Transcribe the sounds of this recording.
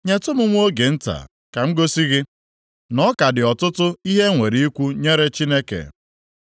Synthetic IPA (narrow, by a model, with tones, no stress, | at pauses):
ɲe˨tʊ˦mʊ˦ŋʷ˦o˦ɡe˨n̩˦ta̰˨ | ka˨m̩˦ɡo˦si˦ɣɪ˦ | nɔ˦ka˨dɪ˨ɔ˨tʊ˦tʊ˦i˦ɦe˦ŋʷe˨ɾi˨˦i˦kʷu˦ɲe˦ɾe˦t͡ʃi˦ne˦kḛ˨